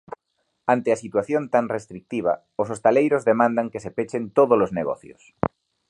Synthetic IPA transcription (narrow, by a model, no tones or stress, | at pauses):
ant̪easit̪waθjont̪ãŋrest̪ɾik̚t̪iβ̞a̰ | os̬ost̪alejɾozðemãnd̪aŋkesepet͡ʃent̪oð̞olozneɣo̰θjo̰s